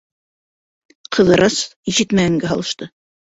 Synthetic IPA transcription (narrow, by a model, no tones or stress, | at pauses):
qʰɤ̆ðɤ̆ɾʔɑsiʃɘt̪mæɡæŋɡæɦɑ̰lˠɤ̆ʃt̪ɤ